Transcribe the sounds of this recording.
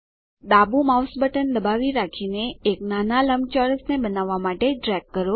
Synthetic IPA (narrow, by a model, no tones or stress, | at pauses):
ɗ̪abumawsbəʈənd̪əbaʋiɾakʰineːknanaləmt͡ʃɔɾəsnebənaʋːamaʈeɖɾɛɡ̚kːəɾo